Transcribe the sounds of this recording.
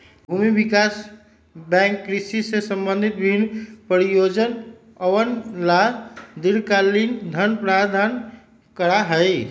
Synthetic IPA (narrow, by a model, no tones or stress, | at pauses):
bʱuːmibikas | bɛ̃ŋkːɾisisesəmbə̃nd̪ʱit̪̚bibinːpəɾijod͡ʒən | əwənlad̪iɾkalind̪ʱənpɾad̪ʱan | kəɾaɦəɪ